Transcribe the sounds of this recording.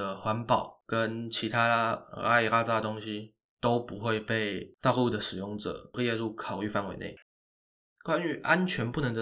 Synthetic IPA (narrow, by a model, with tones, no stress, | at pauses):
ə˩xwa˧˥npɑ˨˩˦ʊkə˦nt͡ɕʰi˧˥t̪ʰa˥a̰˥i˨˩la˥t͡sa˥˧t̪o˥ŋɕi˦ | t̪o˥ʊpu˧˦xwe˥˧ɪpe˥˩ɪt̪ɑ˥˧ʊlu˥˩d̪ə˩ʂɻ̩˨˩jʊ˥˩ŋʈ͡ʂɤ̰˨˩˦jɛ˥˧lu˥˩kʰɑ˨˩ʊy˥˧fa˥˩nwe˧˥ɪnḛ˥˩ɪ | kwa˦ny˧˥ʔa˦nt͡ɕʰɥɛ˧˥npu˥˩nə˧˦ŋd̪ə